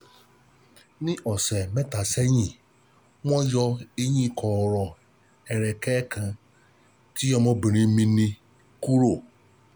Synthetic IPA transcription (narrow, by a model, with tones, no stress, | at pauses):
nɪ̃˦ʔɔ˨sɛ˨mɛ˦ta˨sɛ˦ɲĩ˨ | mʷɔ̃˦d͡ʒɔ˧e˦ɲĩ˦˨kʰɔ˨ɾɔ˨ | ɛ˨ɾɛ˨kɛ˦kʰã˨˧ | ti˦jɔ˧mɔ˦bi˨ɾĩ˨˦mĩ˧nĩ˧ | ku˦ɾo˦˨